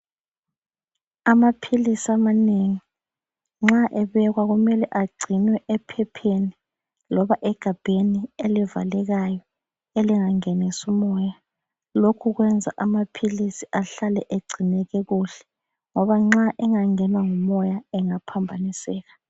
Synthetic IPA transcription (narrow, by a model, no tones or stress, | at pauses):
amapʰilisiamaneŋi | ŋ͡ǁaʔɛβɛɣwaɣumɛlɛʔaɡ͡ǀʱinwɛʔɛpʰɛpʰeni | lɔβaʔɛɡ̥ʱab̥ʱenieliva̰lɛɣajɔ | eliŋaŋɛnisumɔːja | lokʰuɣ̬wɛnd͡zʱa̰ʔamapʰilisiʔaɬalɛʔeɡ͡ǀʱinɛɣɛɣuɬɛ̥ | ŋɔβaŋ͡ǁaʔɛŋaŋɛnwaŋumɔjaɛŋapʰambʱanisɛːɣa